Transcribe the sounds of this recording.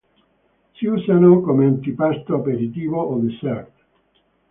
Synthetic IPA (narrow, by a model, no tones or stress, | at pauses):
siuːsanokomeant̪ipast̪oapeɾit̪iːvoʔoðisɛɾt̪